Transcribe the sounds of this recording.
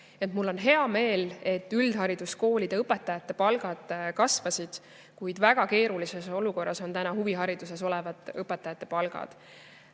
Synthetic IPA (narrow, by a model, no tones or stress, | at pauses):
et̪mulːo̞nɦe̞ɑme̞ːle̞t̪ːyld̪̥ɦɑɾid̪̥usko̞ːlid̪̥e̞ɤpːˑe̞t̪ːˑɑjɑt̪ˑːe̞pɑlɡ̥ɑd̪̥ˑkɑsvɑsid̪̥ | kujd̪̥væɡ̥ɑke̞ːɾulise̞so̞luko̞rːʔɑso̞nt̪ænɑhuviɦɑɾid̪̥use̞so̞levɑt̪ːˑɤpːˑe̞t̪ːˑɑjɑt̪ːˑe̞pɑlɡ̥ɑ̰d̪̥